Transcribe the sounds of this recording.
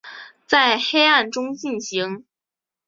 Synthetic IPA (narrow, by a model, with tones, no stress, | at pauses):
t͡sa˥˩ɪxe˥ɪa˥˩nʈ͡ʂʊ˥ŋt͡ɕi˥˩nɕi˧˥ŋ